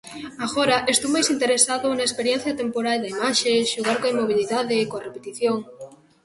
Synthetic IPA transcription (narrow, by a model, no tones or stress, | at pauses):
aɣoɾaʔest̪owmajsint̪eɾesaðʊnɐespeɾjɛ̃n̟θjɐt̪empoɾald̪aimaʃeʃuɣaɾkoaimoβ̞iliðaðɪkoɐrepet̪iθjoŋ